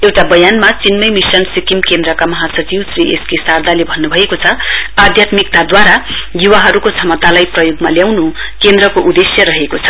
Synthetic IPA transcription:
ewʈabʌjanmat͡sinmʌjmisʌnsikimkend̪ɾʌkamʌɦasʌd͡ziwsriʔeskesard̪ʱalebʱʌnːubʱʌekot͡sʰʌad̪ʱjat̪mik̚t̪ad̪waɾajuwaɦʌɾukot͡sʰʌmʌt̪alajprʌjoɡmaljawnu | kend̪rʌkoʔud̪esjʌɾʌɦekot͡sʰʌ̥

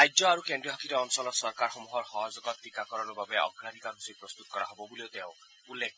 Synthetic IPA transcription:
ajzɔaɹukendiɔɦakʰiɾɔɔnsɔlɔtsɔɹkaɹxɔmuɦɔɹxɔɦɔzɔɡɔt̪ʰːikakɔɹɔnubabɛɔ̰kʰɾanikanusipɹɔst̪ut̪ɔkɔɹa̰ɦɔbɔbuliot̪eʊ̃ | ulːek̚

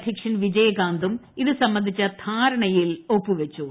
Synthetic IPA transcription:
d̪ʱikʂɐnʋid͡ʑɐjɐɡaːnd̪umiðɨsɐmːɐnd̪ʱit͡ɕːɐt̪ʰaːɾɐɳɐjilopːuʋet͡ɕːu

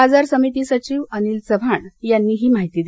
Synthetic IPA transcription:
ad͡zaɾsəmit̪iːsət͡ɕiːʋəniːlt͡səbʱaɳjanːiːɦiːmaɦit̪iːd̪

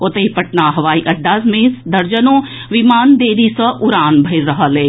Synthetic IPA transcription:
ot̪ɐipɐʈnaɦɐʋaːiʔɐɖːaːsmẽːsd̪ɐɾd͡ʒənõː | ʋimaːnd̪eːɾisɐʔʊɾaːnbʱɐɪɾːɐɦəleː

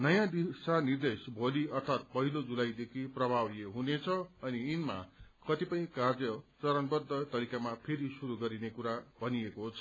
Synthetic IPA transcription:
nʌjãd̪isanird̪esbʱoliʌrt̪ʰat̪̚pʌɦilod͡zulajd̪ekʰiprʌbʱawjeɦunet͡sʰʌʌniːnma̰kʌt̪ipʌj̃kard͡zjʌt͡sʌɾʌnbʌrd̪ʱːʌt̪ʌɾikamapʰeɾisuɾuɡʌɾinekuɾabʱʌniekoɦt͡sʰʌ

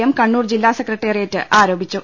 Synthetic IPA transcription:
jɐmkɐɳːuːrd͡ʑilːaːsekːrɐʈːeːrijetːɨʔaːɾo̞ːbʱit͡ɕːu

